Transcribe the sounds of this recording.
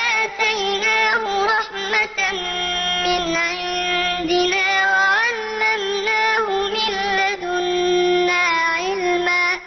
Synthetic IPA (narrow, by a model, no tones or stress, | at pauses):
ʔaʔt̪ajnaːɦʊɾˤɑħ | mat̪ | mɪnʕɪnd̪ɪnaːwaʕalːamnaːhʊmɪnlːad̪ʊnːaːʕɪlmaː